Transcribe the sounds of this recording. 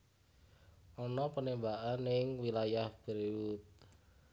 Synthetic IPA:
ʔɔnɔpənembaʔanːɪŋwilajahb̥əɾiwut̪̚

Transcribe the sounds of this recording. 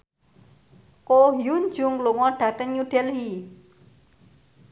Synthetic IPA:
koɦjund͡ʒʊŋluŋɔɖ̥ä̤t̪əŋɲuɖ̥ɛlɦi

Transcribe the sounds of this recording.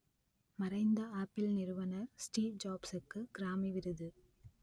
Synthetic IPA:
mɐɾɐɪnd̪ɐaːpːɪlnɪɾɯʋɐnɐɾsʈiːʋd͡ʒaːbsɯkːɯɡ̥ɪɾaːmiʋɪɾɯðɯ

